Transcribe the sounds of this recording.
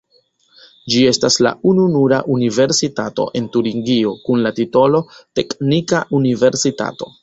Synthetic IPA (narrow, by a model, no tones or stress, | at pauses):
d͡ʒie̞stasla̰ununuɾa̰ʔunive̞ɾsitato̞̰ʔe̞ntuɾiŋɡio̞kunlatito̞lo̞te̞knikaʔunive̞ɾsita̰to̞